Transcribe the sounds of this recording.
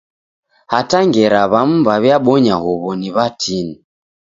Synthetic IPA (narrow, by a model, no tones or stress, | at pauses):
hataŋɡɛɾaβam̩baβjaɓɔɲahuβɔniβatʰini